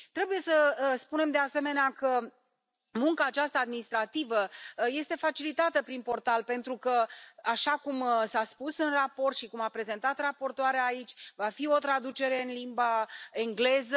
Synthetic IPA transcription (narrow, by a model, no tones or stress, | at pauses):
t̪ɾe̞buje̞səspune̞md̪e̞ase̞me̞neakə | muŋkaːt͡ʃast̪ad̪minist̪ɾat̪ivəje̞st̪e̞fat͡ʃilit̪at̪əpɾinpo̞rt̪alpe̞nt̪ɾukəaʃakumsaspusɨnrapo̞rt̪ʃikumapɾe̞ze̞nt̪at̪rapo̞rt̪oaɾeaːit͡ʃʲvafio̞t̪ɾad̪ut͡ʃe̞ɾe̞ɨnlimbae̞ŋɡle̞zə